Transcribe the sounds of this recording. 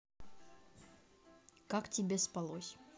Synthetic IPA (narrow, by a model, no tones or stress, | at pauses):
kaktʲɪbʲespalˠosʲ